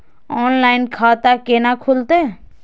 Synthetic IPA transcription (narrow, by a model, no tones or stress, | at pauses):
ɔːnlaːɪnkʰaːt̪akenakʰult̪eː